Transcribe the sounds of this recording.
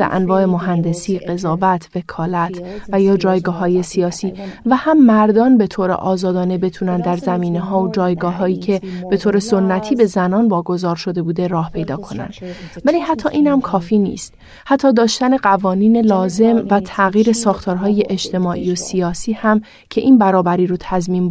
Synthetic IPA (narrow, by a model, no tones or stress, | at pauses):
æ̰ʔæ̰nvɒːʔe̞moɦænd̪e̞siːɢe̞zɒːvæt̪ʰve̞kʰɒːlæt̪ʰvæjɒːd͡ʒɒːjɡɒːɦɒːje̞sijɒːsiːvæhæmːæɾd̪ɒːnbe̞t̪ʰoːɾḛʔɒːzɒːd̪ɒːne̞be̞t̪ʰuːnænd̪d̪æɾzæmiːneɦɒːod͡ʒɒːjɡɒːɦɒːiːcʰe̞b̥e̞t̪ʰoːɾe̞sonːæt̪ʰiːbe̞zænɒːnvɒːɡo̞zɒːɾʃo̞d̪e̞buːd̪e̞ɾɒːhpʰe̞jd̪ɒːkʰo̞næ̰nd̪̥vælihæt̪ʰːɒːʔiːnhæmkʰɒːfiːnḭːst̪̚ | hæt̪ʰːɒːd̪ɒːʃt̪æne̞ɢævɒːniːne̞lɒːze̞mvæt̪ʰæɣiːɾe̞sɒːxt̪ʰɒːɾɦɒːje̞ʔed͡ʒt̪ʰe̞mɒːʔḭːosijɒːsiːhæm | cʰe̞ʔiːnbæɾɒːbæɾiːɾot̪ʰæzmiːm